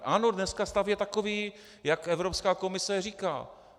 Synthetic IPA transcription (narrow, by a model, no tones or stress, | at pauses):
ʔanodnɛskast̪avjɛt̪akoviː | jakɛvɾopskaːko̞mɪsɛriːka̰ː